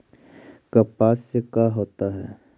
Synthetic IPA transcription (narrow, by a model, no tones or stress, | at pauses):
kɐpaːsːekaːɦoːt̪aɦɛ̰ː